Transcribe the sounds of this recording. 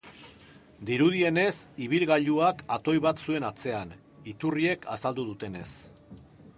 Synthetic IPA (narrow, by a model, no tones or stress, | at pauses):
d̪iɾuð̞ie̞ne̞siβ̞ilɣaʎuakat̪o̞jβat̪sue̞nat͡se̞an | it̪urie̞kʰasald̪uðut̪e̞ne̞s